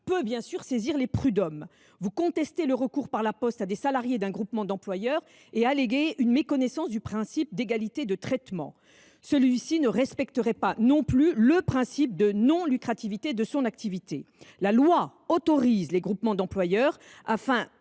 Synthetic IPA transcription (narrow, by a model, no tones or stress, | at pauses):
pøbjɛ̃syʁseziʁlepχyd̪ɔm | vukɔ̃t̪ɛst̪eləʁəkuʁpaʁlapɔst̪ad̪esalaʁjed̪ɛ̃ɡʁupmɑ̃d̪ɑ̃plwajœʁ | ealeɡeynmekɔnɛsɑ̃sd̪ypχɛ̃sip̚d̪eɡalit̪ed̪ət̪χɛt̪mɑ̰̃ | səlɥisinəʁɛspɛk̚t̪əʁɛpanɔ̃plyləpχɛ̃sip̚d̪ənɔ̃lykχat̪ivit̪ed̪əsɔ̃nak̚t̪ivit̪e | lalwa | ot̪ɔʁizleɡʁupmɑ̃d̪ɑ̃plwajœʁafɛ̃